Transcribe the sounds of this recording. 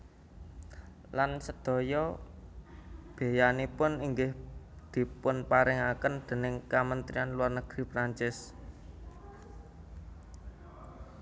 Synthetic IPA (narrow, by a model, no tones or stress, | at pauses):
lansəd̪̥ɔ̤jɔ | b̥e̤janipʊniŋɡɪh | d̪̥i̤pʊnpaɾɪŋakənd̪̥e̤nɪŋkamənt̪ɾianluarnəɡ̥ɾi̤pɾaɲt͡ʃɪs